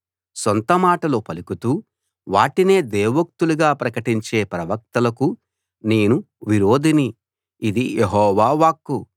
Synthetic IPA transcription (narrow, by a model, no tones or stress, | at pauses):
sont̪ɐmaːʈɐlo̞ːpɐlukut̪uː | ʋaːʈine̞ːd̪eːʋɐk̚t̪uluɡaːpɾɐkɐʈiɲt͡ʃe̞ːpɾɐʋɐk̚t̪ɐlɐku | neːnu | ʋiɾo̞ːd̪ini | id̪ijeɦɔːʋaːʋaːkːu